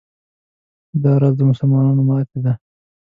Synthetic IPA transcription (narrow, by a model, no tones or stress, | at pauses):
d̪ɑɾɑzd̪əmʊsəlmɑnɑnomɑt̪ed̪a